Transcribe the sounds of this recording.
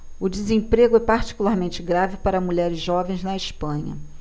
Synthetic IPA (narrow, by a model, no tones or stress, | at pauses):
ʊd͡ʒɪzẽpɾeɡʊɛpaɾt͡ʃi̥kulaɾmẽnt͡ʃɪɡɾavɪpaɾɐmuʎɛɾɪzʒɔvẽj̃znɐɪʃpɐ̃ɲɐ̰